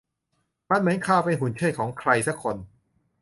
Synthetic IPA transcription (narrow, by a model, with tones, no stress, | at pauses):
ma˧nmɯː˨˩˦jkʰaː˧˩wpa˧nɦu˨˩nt͡ɕʰɯː˥˩tkʰɔː˩˦ŋkʰɾa˧jsa˦˥kʰːo˧n